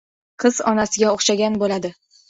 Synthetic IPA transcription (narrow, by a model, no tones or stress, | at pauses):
qʰɨz̥ɒ̰nasɪɡʲaoχʃaɡʲanbolad̪ɪ